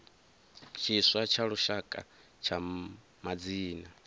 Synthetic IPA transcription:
t͡ʃʰiswat͡ʃʰaɺuʃakʼa̰ | t͡ʃʰa | mad͡ziːna

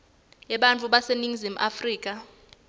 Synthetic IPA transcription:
jɛɓant͡fʰʼuɓaseniŋzim̩ʔafriːk̬ʼa

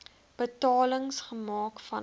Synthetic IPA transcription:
b̥ətɑːləŋsχəmɑːkfɐn

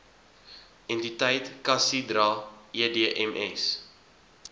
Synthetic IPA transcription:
ɛntitəjtkɐsidɾɑːiədeəʔɛmʔɛs

